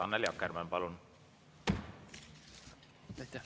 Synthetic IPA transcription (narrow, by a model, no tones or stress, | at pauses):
ɑnːeljɑkːermɑnpɑlun | t̪